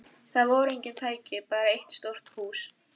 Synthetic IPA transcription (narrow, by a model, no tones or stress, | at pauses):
θaðvɔɾejɲcɪnt̪ʰaːjcɪpaːɾaejht̪st̪owr̥t̪huːs